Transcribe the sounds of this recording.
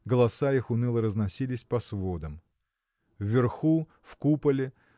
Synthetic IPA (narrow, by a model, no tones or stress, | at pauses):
ɡəlˠɐsaixʊnɨlˠəɾəznɐsʲilʲɪsʲpɐsvo̞d̪əm | vːʲɪrxu | fkupəlʲɪ